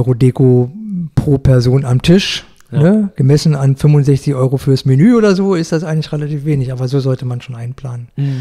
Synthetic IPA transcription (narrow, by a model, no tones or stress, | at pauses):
ʁodeːkopʁ̥oːpʰɛɐzoːnamtʰɪʃ | nəɡ̥əmɛsn̩anfʏmvʊntz̥ɛçt͡sɪçʔɔʏʁofyːɐsmenyːoːdɐzoːɪstd̥asʔaɪɡŋ̩lɪçʁelatʰiːfv̥eːnɪçʔaːbɐzoːzɔltəmanʃoːnʔaɪnpl̥aːnən